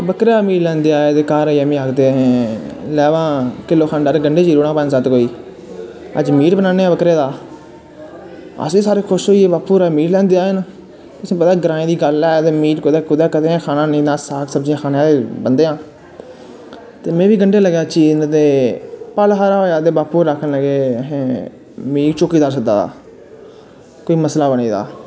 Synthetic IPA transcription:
bəkɾaːmiːʈlɛ̃ːnd̪eːaːed̪eːkaːɾːãːmĩːaːɡd̪eːɦɛ̃ːlɛːʋãːkɪlːoːkʰaːnɖəɾɡəɳɖeːd͡ʒiːɾoːɽãːpə̃nd͡ʒsaːt̪koːiː | ə̰d͡ʒmiːʈbənãːneːaːbəkɾeːd̪aː | ə̰siːsaːɾeːkʰʊʃɦoːieːbaːpuːɾɛːmiːʈlɛ̃ːnd̪eaːnː | t̪ʊsĩːpət̪aːɡəɾãːĩːd̪iːɡəlɛːt̪eːmiːʈkʰʊd̪eːkʰʊd̪aːkət̪eːãːkʰaːnãːnĩːnaːsaːksəbd͡ʒijãːkʰaːneaːd̪eːbənd̪eːãː | t̪eːmɛ̃ːʋiːɡəɳɖeːləɡjaːt͡ʃiːznt̪eːpəlɦaːɾaːɦoːjaːd̪eːbaːpuːɾːəkʰənləɡeːɦẽː | miːkt͡ʃoːkiːd̪aːɾs̬ək̚d̪a̰ːd̪a̰ː | koːiːməslaːbəniːd̪a̰ː

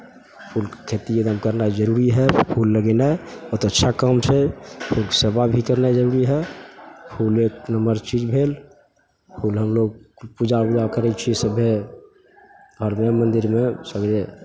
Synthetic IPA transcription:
pʰulkkʰet̪ied̪əmkəɾnad͡ʒəɾuɾiɦɛpʰulːəɡɛnaɛɔt̪oətːʃʰakəmt͡ʃʰɛpʰulksebabʱikəɾnad͡ʒəɾuɾiɦɛ | pʰulek̚nəmbəɾt͡ʃid͡ʒbʱel | pʰuːlɦəmloɡ̚pud͡ʒapud͡ʒakəɾɛt͡ʃʰisəbʱe | ɡʱəɾmemənd̪iɾmesəɡɾe

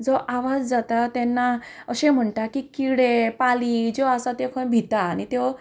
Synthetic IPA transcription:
d͡zɔʔaʋad͡zd͡zat̪at̪ɛnːaəɕẽm̤əɳʈakikiɽepalid͡ʑɔasat̪ekʰə̃bʱit̪aːñit̪e

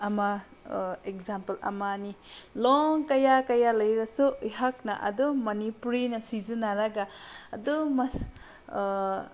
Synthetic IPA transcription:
ɐma | ekzampɐlɐ̰maniloŋkɐjakɐjalɐjɾɐsuiɦak̚nɐ̰ʔɐ̰dumɐnipuɾinɐsizɯnaɾaɡa̰ːdumɐ

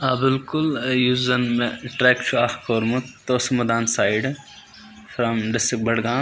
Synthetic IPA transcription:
aːbɪlkʊljuzɐnmeʈɾɛkt͡ʃʰuaxkoːɾmut̪t̪oːsɐmɐd̪aːnsaːjɖ | fɾɐmɖɪsʈɾɪk̚bɐɽɡãː

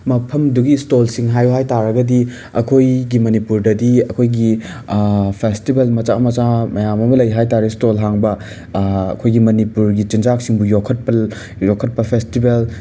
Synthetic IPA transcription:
mɐpʰɐmduɡistolsiŋɦajɦajtaɾɐɡɐdi | ɐ̰kʰojɡimɐnipuɾdɐdiɐkʰojɡi | pʰestibelmɐt͡ʃamɐt͡ʃamɐjamɐmɐlɐjɦajtaɾistolɦaŋbɐ | ɐ̰kʰojɡimɐnipuɾɡit͡ʃind͡ʒak̚siŋbujokʰːɐt̚pɐ | jokʰɐt̚pɐpʰestibel

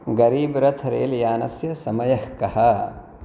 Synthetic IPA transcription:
ɡɐɾiːbɾɐt̪ʰɾḛːljaːnɐ̰sjɐsɐmɐjɐhkɐhɐ

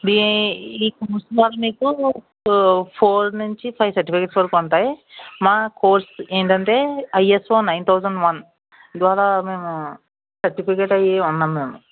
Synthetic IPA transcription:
d̪iiːkoːɾsd̪ʋaːɾaːmiːku | pʰoːɾnuɲt͡ʃipʰɐjʋsɐɾʈipikeːʈsʋɐɾikɔɳʈaːjimaːkoːɾseːɳʈɐɳʈe̞ːɐjesfoːnɐjnt̪ʰɐwsɐɳɖʋɐn | d̪ʋaːɾaːme̞ːmu | sɐɾʈipikeːʈɐjiunːaːmːeːmu

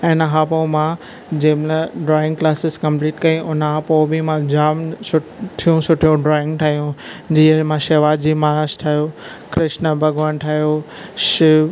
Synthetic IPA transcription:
ɪnəɦaːpõmã | d͡ʑẽːmləɖɾaːɪ̃ŋɡklaːsɪzkɐ̃mpliːʈkɐĩʊnɦaːpobimãd͡ʑaːmsʊʈʰijũsʊʈʰijũɖɾɔːɪ̃ŋɡʈʰaːɦijũd͡ʑiːəmãʃeːʋaːdd͡ʑiːmaːɾaːʃʈʰaːijoː | kɾɪʃnəbʱɐɡʋaːnʈʰaːɦijo | ʃɪ

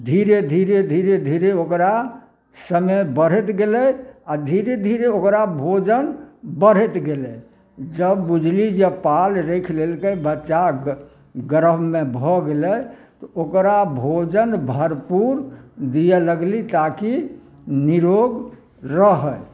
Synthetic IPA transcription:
d̪ʱiɾed̪ʱiɾed̪ʱiɾed̪ʱiɾeokɾa | səməjbəɾ̤ɛt̪ɡelɛjad̪ʱiɾed̪ʱiɾeokɾabʱod͡ʒənbəɽ̤ɛt̪ɡelɛ | d͡ʒəbːud͡ʒʱlid͡ʒepalɾekʰlelkəjbətːʃa | ɡəɾəbmebʱɔɡelɛt̪ɔokɾabʱod͡ʒənbʱəɾpuɾd̪ijələɡlit̪aki | niɾoɡ | ɾəɦəj

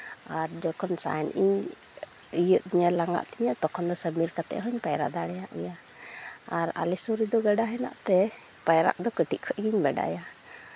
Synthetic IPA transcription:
aɾd͡ʒɔkʰɔnsa̰jɛnʔḭɲ | ijəʔ̪̚iɲəlaŋa̰ʔt̪iɲət̪ɔkʰɔnd̪ɔsəmiɾkat̪ɛ̰ʔɦɔɲpajɾa̰d̪aɽɛjaʔɛja | aɾa̰lisuɾid̪ɔɡɛɖaɦɛna̰ʔt̪ɛ | pajɾa̰ʔd̪ɔkəʈiʔkʰɔʔɡiɲbɛɖa̰ja

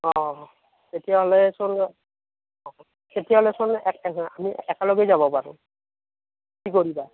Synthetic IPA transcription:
ɔ̃ | t̪etijaɦɔlɛsɔn | ɔ | tetijaɦɔlɛsɔnɛka̰miɛkalɔɡɛzabɔpaɹʊ̰̃ | kikoɹiba

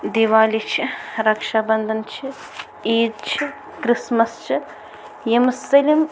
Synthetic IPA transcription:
d̪iʋaːlit͡ʃʰiɾɐkʂaːbɐnd̪ʱɐnt͡ʃʰi | iːd̪t͡ʃʰi | kɾismɐst͡ʃʰi | jemsɐlʲim

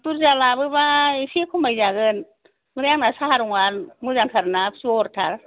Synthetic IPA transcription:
puɾzalabɯbasikʰumajzaɡɯn | mɯɾaŋnasahaɾuŋanmɯzaŋtʰaɾnasuɔɾtʰa̰ɾ

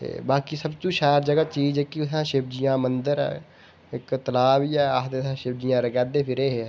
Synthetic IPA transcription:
ḛːbaːkisəbt͡ʃũːʃaːɾd͡ʒəɡaːt͡ʃiːd͡ʒɛːkɪʊsãːʃɪbd͡ʒɪjãːmənd̪əɾɛ̰ː | ɪkt̪əlaːbiːɛːst̪esãːʃɪb̚d͡ʒɪjãːɾəɡɛːd̪eːpʰɪɾeːɦe

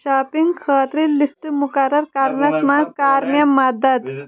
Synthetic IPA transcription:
ʃaːpiŋɡkʰɐːt̪ɾilːist̪ɨmukɐɾɐɾkɐɾnɐsmazkaːɾmjɐmɐd̪ɐd̪

